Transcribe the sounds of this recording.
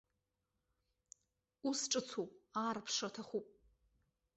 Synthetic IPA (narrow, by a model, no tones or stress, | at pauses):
usʈ͡ʂʼɨt͡sʰupʼaːrpʰʂɐtʰɐχʷupʼ